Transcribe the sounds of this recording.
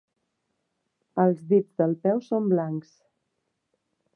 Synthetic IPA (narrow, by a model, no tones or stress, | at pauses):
əlˠzðid͡zðəlˠpɛwsomblaŋks